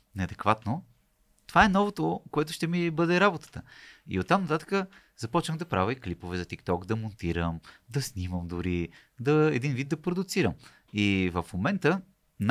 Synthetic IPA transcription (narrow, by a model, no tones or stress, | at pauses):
nɛɐd̪ɛkvat̪no | t̪ovaɛnɔvot̪okoɛt̪ʊ̥ʃt̪ɛmibɤd̪ɛɾabot̪ə̥t̪əḭot̪ːamnɐt̪at̪ə̥kə | z̥ɐpɔt͡ʃnəmd̪ɐpɾa̰vəiklipovɛzɐt̪ikt̪ɔkd̪ɐmont̪iɾəmd̪ɐsniməmd̪ʊɾi | d̪ɐɛd̪invid̪̚d̪ɐpɾod̪ʊt̪siɾəm | ivəfmomɛnt̪ə | n